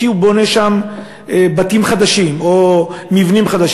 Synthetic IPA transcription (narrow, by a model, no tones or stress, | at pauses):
iubo̞neʃam | ebatimχad̪aʃimomivnimχad̪aʃ